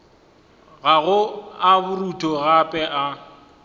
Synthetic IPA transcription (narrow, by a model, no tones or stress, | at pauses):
ɣaɣʊabʊrutʼɔɣapʼɛʔa